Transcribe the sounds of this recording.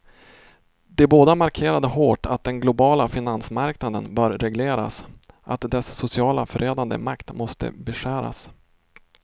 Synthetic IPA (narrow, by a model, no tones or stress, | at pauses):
d̪ɛboːd̪amaɾkʰeːɾad̪əɦoːʈʰa̰t̪̚d̪ɛnɡlʊbɑːlafɪnansmaɾknad̪ənbœːɾɾɛɡleːɾa̰sʔat̪d̪ɛsːʊsɪɑːlafœɾʔɛːd̪and̪ə̰makt̪mɔst̪ə̰bɛʂæːɾa̰s